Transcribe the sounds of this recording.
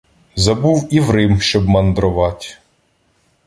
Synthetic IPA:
zɐbuwiʋɾɪmʃt͡ʃɔbmɐnd̪ɾʊʋɑtʲ

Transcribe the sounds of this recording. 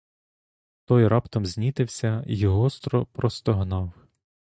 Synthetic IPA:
t̪ɔjɾɑpt̪ɔmzʲnʲit̪ɪwsʲɐjɔɦɔst̪ɾɔpɾɔst̪ɔɦnɑw

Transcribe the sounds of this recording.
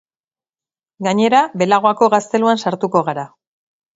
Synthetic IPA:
ɡaɲe̞ɾabe̞laɣoako̞ɣast̪e̞luansaɾt̪uko̞ɣaɾa

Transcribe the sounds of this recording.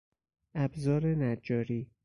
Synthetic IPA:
ʔæbzɒːɾenæd͡ʒɒːɾiː

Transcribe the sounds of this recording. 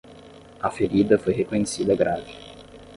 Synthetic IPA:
ɐfeɾid̪ɐfojɦekoɲesid̪ɐɡɾavi

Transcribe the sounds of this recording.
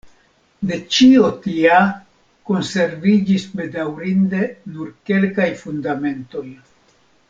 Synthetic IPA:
de̞t͡ʃio̞tia | ko̞nse̞ɾvid͡ʒisbe̞dawɾinde̞nuɾke̞lkajfundame̞nto̞j

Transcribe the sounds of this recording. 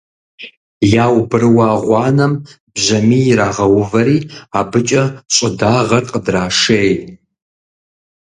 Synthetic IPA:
jaːwbɨrwaːʁʷɑːnɐm | bʑɐmiːɾaːʁɐwʊvɐɾiːabɨt͡ʃʼɐɕʼɐdaːʁɐrqʼədraːʂej

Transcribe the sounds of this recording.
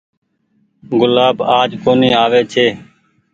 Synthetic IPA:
ɡʊlaːbaːd͡ʒkoːniːaːʋeːt͡ʃʰeː

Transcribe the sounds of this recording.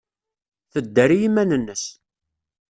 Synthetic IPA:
θəd̪ːæɾijimænənːəs

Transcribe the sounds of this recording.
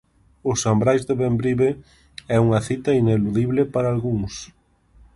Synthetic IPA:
ʊsambɾajzðeβembɾiβe | ɛuŋɐθit̪ɐineluðiβlɪpaɾaːlɣuŋs

